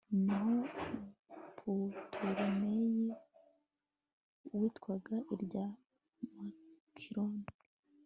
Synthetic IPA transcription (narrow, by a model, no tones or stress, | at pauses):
niɦo | pʰutʰuɾimeji | witkwaɡaʔiɾɟa | makʰiɾoni